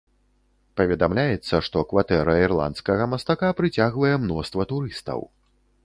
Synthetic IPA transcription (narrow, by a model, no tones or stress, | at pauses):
pɐvʲɛd̪amlʲajɛt̪sːɐʂt̪ɔkvat̪ɛɾɐirlˠa̰nt̪skɐɣɐmɐst̪akapɾɨt͡sʲaɣvɐjɛmnɔst̪vɐt̪uɾɨst̪ɐ̰w